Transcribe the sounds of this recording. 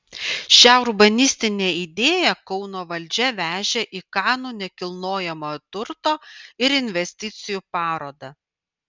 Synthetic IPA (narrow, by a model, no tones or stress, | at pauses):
ʃʲæʊɾbɐnʲɪsʲt̪ʲɪnʲeːid̪ʲeːjɛkɔʊnoːʋɐlʲˑd͡ʒʲɛʋʲæːʒʲeʔiːkɑˑːnuːnʲɛkʲɪlˠnoːjɛmoːt̪ʊɾt̪oːɪɾɪnʲʋʲɛsʲt̪ʲɪt̪sʲɪjuːpɑːɾoːd̪ɐ